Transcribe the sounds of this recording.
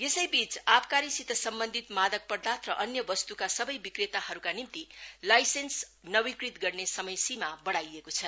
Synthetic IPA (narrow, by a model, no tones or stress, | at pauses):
jesʌjbit͡sapkaɾisit̪ʌsʌmbʌnd̪ʱit̪mad̪ʌk̚pʌrd̪at̪ʰrʌʔʌnjʌbʌst̪ukasʌbʌjbikret̪ahʌɾukanimt̪ilajsens | nʌwikrit̪ɡʌrnesʌmʌjsimabʌɽajekot͡sʰʌ